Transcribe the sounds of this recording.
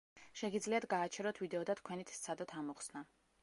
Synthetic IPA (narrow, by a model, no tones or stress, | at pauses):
ʃɛɡid̪zliat̪ɡaːt͡ʃʰɛɾɔt̪ʰvid̪ɛɔd̪at̪ʰkʰwɛnit̪ʰt̪sʰad̪ɔt̪ʰamɔχsna